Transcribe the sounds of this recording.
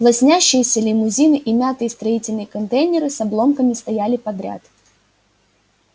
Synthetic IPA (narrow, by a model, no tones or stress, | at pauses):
plˠɐsʲnʲæɕːɪjəsʲəlʲɪmʊzʲinɨʔimʲat̪ɨjɪst̪ɾɐitʲɪlʲnɨjəkɐnt̪ejnʲɪɾɨsɐblˠo̞mkəmʲɪst̪ɐjælʲɪpɐd̪ɾʲa̰t̪